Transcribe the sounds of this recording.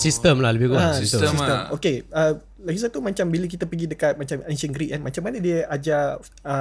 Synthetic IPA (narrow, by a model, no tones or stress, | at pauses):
sist̪əmlahləbɪɡuasit̪uisəmokeə | laɡis̬at̪umat͡ʃambilək̬it̪apəɡidəkat̪̚mat͡ʃamɛnsənɡɾiʔanmat͡ʃamːanədiəʔad͡ʒa | ə